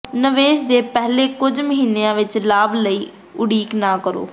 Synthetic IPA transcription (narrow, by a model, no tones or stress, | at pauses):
nəʋeːʃd̪eːpɛɦleːkʊd͡ʒməɦiːnːeãːʋɪt͡ʃlaːbləiː | ʊɽiːknãːkəɾo̰ː